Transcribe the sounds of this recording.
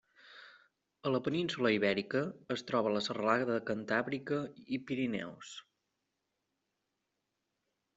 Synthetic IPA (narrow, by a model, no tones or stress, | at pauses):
ələpəninsuləiβɛɾikəːst̪ɾɔβ̞ələsərəlaɣðəðəkənt̪aβɾikəipiɾinɛ̰ws